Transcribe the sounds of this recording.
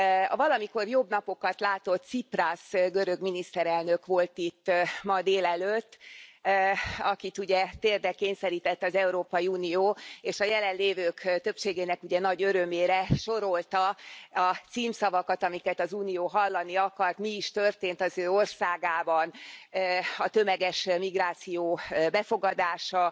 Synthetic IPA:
ɒvɒlɒmiko̞rjo̞bnɒpo̞kɒt̪laːt̪o̞t̪siprasɡøɾøɡminist̪ɛɾɛlnø̞kʋo̞lt̪it̪ːmɒd̪eːlɛløt̪ː | ɒkit̪uɟɛt̪eːrd̪ɛkeːɲsɛɾiːt̪ɛt̪ːɒzɛuɾoːpɒjiuːnijoːeːʃɒjɛlɛnleːvøːkt̪ø̞pʃeːɡeːnɛkuɟɛnɒɟø̞ɾø̞meːɾɛʃo̞ɾo̞lt̪ɒɒt̪siːmsɒvɒkɒt̪ɒmikɛt̪ɒzuːnijoːɦɒlːɒniɒkɒrt̪miːʃt̪ørt̪eːnt̪ɒzøːo̞rsaːɡaːbɒn | ɒt̪ø̞mɛɡɛʃmiɡraːt̪sijoːbɛfo̞ɡɒd̪aːʃɒ

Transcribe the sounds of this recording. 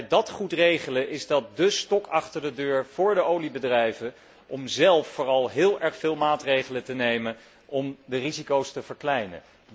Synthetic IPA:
dɑtχutrejχələʔɪzdɑt̚dəstɔkʰɑχtəɹdədøːɹv̥ʊːɹdəowlibədrɛjvə | ʔɔmzɛlˠfːʊːrɑlˠɦɪːlˠɛɹχfɪːlˠmaːtrejχələtənejmən | ʔɔmdərizikowstəv̥əɹklɛjnə̰

